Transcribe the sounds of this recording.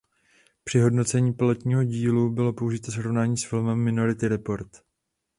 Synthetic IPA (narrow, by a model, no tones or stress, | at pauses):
pr̥ɪɦo̞dno̞t͡sɛɲiːpɪlot̪ɲiːɦo̞ɟiːlubɪlo̞po̞uʒɪt̪osɾo̞vnaːɲiːsfɪlmɛmːɪno̞ɾɪt̪ɪɾɛpo̞ɾt̪